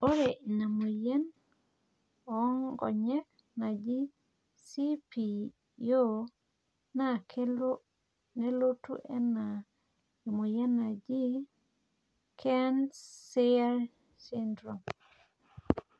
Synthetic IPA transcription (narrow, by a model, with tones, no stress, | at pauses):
o˦ɾe˨ʔi˨na˨mu˨je˦n | ɔŋɡɔ̰˨ɲɛ˦k̚ | na˨d͡ʒi˦ | si˦pi˨ | jo˦ | na˦kʰe˦lo˦ | ne˦lo˦tṵ˦ʔɛna | e˨mu˨je˦na˨d͡ʒi˦ | kʰɛnsea˦ɾ | sindɾo˨m